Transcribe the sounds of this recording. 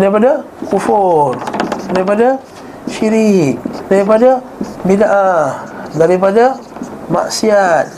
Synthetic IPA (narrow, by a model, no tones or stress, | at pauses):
aɾipada | kufuraɾipada | ʃiɾik̚daɾipada | binaʔahdaɾipada | ma̰ʔsiat̪̚